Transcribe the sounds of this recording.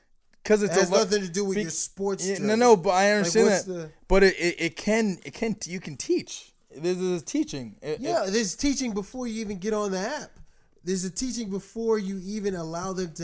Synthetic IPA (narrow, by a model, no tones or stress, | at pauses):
kʰʌzɨtsənʌθɪ̃ŋtɨdɨwɪðjə˞spɔɹtsnonoʊbʌaɪʌvnəĩnðætb̥ʌɾɪɾʔɪɾʔɪt̚kʰɨ̃nɪt̚kʰɨ̃njɨkʰn̩tʰit͡ʃ | ðɪzɪtʰit͡ʃɪ̃ŋɪjæðɪ˞ztʰit͡ʃɪ̃ŋbəfɔɹjɨivɨ̃nɡɛɾn̩ðiæp̚ | ðə˞zɨtʰit͡ʃɪ̃ŋbəfɔɹjɨivɨ̃nəlaʊðɨ̃mtʰɨ